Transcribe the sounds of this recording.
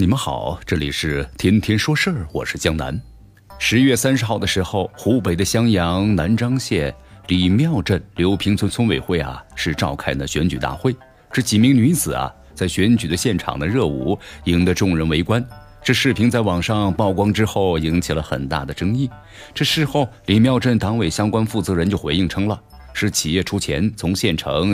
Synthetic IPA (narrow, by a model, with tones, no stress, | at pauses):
ni˨˩mə˦nxɑ̰˨˩˦ʊʈ͡ʂɤ˥˩lḭ˨˩ʂɻ̩˥˩t̪ʰjɛ˥nt̪ʰjɛ˥nʂwɔ˥ʂə˥˩wɔ̰˨˩ʂɻ̩˥˩t͡ɕjɑ˥ŋna̰˧˥n | ʂɻ̩˧˥ɥɛ˥˩sa˥nʂɻ̩˧xɑ˥˩ʊd̪ə˩ʂɻ̩˧˥xo˥˧˩ʊxu˧˥pe˨˩ɪd̪ə˦ɕjɑ˥ŋjɑ˧˥ŋna˧˥nʈ͡ʂɑ˥ŋɕjɛ˥˩li˨˩mjɑ˥˧ʊʈ͡ʂə˥˩nljo˧˥ʊpʰi˧˥ŋt͡sʰə˥nt͡sʰə˥nwe˨˩ɪxwe˥˩ɪɐ̰˩ʂɻ̩˥˧ʈ͡ʂɑ˥˧ʊkʰa˥ɪd̪ə˩ɕɥɛ˧˥nt͡ɕy˨˩t̪a̰˥˧xwe˥˧ɪ | ʈ͡ʂɤ˥˩t͡ɕi˨˩mi˧˥ŋny˧˥t͡sɹ̩˨˩ɐ̰˦ | t͡sa˥˩ɪɕɥɛ˧˥nt͡ɕy˨˩d̪ə˦ɕjɛ˥˩nʈ͡ʂʰɑ̰˨˩ŋd̪ə˦ɻɤ˥˧ṵ˨˩i˧˥ŋd̪ə˧ʈ͡ʂʊ˥˧ŋɻə˧˥nwe˧˥ɪkwa˥n | ʈ͡ʂɤ˥˧ʂɻ̩˥˩pʰi˧˥ŋt͡sa˥˩ɪwɑ˨˩ŋʂɑ˥˧ŋpɑ˥˩ʊkwɑ˥ŋʈ͡ʂɻ̩˥xo˥˩ʊi˧˥ŋt͡ɕʰi˨˩lə˦xə̰˨˩nt̪a̰˥˩d̪ə˩ʈ͡ʂɤ˥ŋi˥˩ | ʈ͡ʂɤ˥˩ʂɻ̩˥xo˥˩ʊli˨˩mjɑ˥˧ʊʈ͡ʂə˥˩nt̪ɑ˧˥ŋwe˨˩ɪɕjɑ˥ŋkwa˥nfu˥˩t͡sɤ˧˥ɻə˧˥nt͡ɕjo˥˩ʊxwe˧˥ɪi˥˩ŋʈ͡ʂʰɤ˥ŋlə˨ | ʂɻ̩˥˩t͡ɕʰi˨˩jɛ˥˩ʈ͡ʂʰu˥t͡ɕʰjɛ̰˧˥nt͡sʰʊ˧˥ŋɕjɛ˥˩nʈ͡ʂʰɤ̰˧˥ŋ